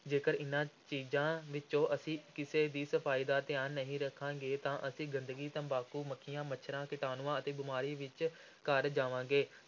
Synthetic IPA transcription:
d͡ʒeːkəɾɪnãːt͡ʃiːzãːʋɪt͡ʃõːʔəsĩːkɪseːd̪iːsəpʰaːiːd̪aːt̪ɪaːnːəɦĩːɾəkʰːãːɡeːt̪ãːʔəsĩːɡənd̪əɡiːt̪ãːbaːkuːməkʰːɪjãːmət͡ʃʃʰəɾãːkɪʈaːnʊãːət̪eːbɪmaːɾiːʋɪt͡ʃ | kəɾd͡ʒaːʋãːɡeː

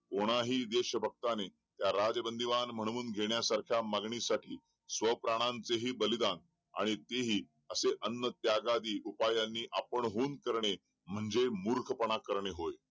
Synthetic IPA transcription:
koɽ̃aɦiːd̪eɕəbʱək̚t̪ane | t̪jaɾad͡zəbənd̪iʋanm̤əɽ̃uːnɡʱeɳjasaɾkʰjamaɡɳisaʈʰiː | sʋəpɾaɽ̃ãnt͡seɦiːbəlid̪an | a̰ɽ̃it̪eɦiː | əseʔənːət̪jaɡad̪iːʔupajanːiːʔapəɳɦuːnkəɾɳe | m̤əɳd͡zemuɾkʰpəɳ̃akəɾɳeɦoj

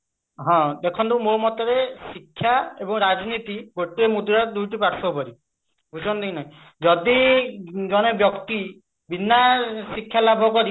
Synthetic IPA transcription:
ɦɔ̃d̪ekʰɔnd̪umomɔt̪ɔɾesikʰːjaebɔŋɾad͡ʒnit̪iɡoʈiemud̪uɾad̪ujʈipaɾsʰɔpɔɾi | bʱud͡ʒʱɔnd̪ijnaĩ | d͡ʒɔd̪i | ɡɔñebjɔkt̪i | binːasikʰːjalabʱɔkɔɾi

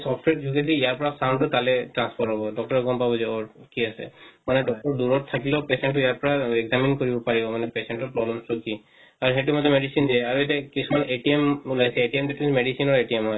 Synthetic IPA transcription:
sɔfʈweʈd͡ʒʱuɡesʰiːjaɾpɔɾasaw̃ɳɖʈɔt̪aleʈɾanspʰɔɾʈɦɔbɔɖɔk̚ʈɔɾeɡɔmpabɔd͡ʑeoɾkiasḛmaneɖɔk̚ʈɔɾd̪uɾɔʈt̪ʰakilopeseɳʈɔijaɾpɔɾaeɡzaminkoɾibɔpaɾibɔmanepeseɳʈɔpɾɔblemsʈɔki | aɾɦẽʈimɔd̪ʱːemeɖisind̪ieaɾeʈekisʰumanʔeʈiemulajsʰeeʈiemd̪eʈimeɖisinɔɾeʈiemɦɔj

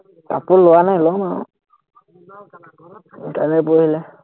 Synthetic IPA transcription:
ta̰pʊnlʊwanajlɔmaʊ̰ | kamɛp̬ohilɛ

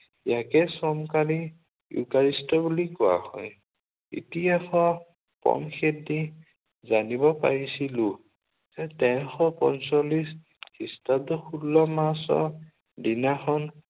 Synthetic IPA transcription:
jakɛsɔmkali | jṵkaɹistɔbulikʊa̰hɔ̰j | ḭtijaxɔ | pɔ̰mxʰedi | zanibɔpa̰ɹisilu | z̥ɛtɛxɔpɔ̰nsɔlis | histadɔxʰulːɔmasɔ̰ | dinaxɔn

